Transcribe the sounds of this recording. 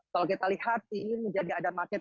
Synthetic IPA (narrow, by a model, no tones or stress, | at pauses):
kalokit̪alihat̪̚iməɲd͡ʒadiadamakɛt̪